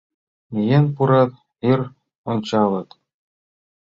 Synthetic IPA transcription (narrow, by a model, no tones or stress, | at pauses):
mʲejenʲpuɾɑt̪ | ir | ont͡ɕɑlˠɤ̆t̪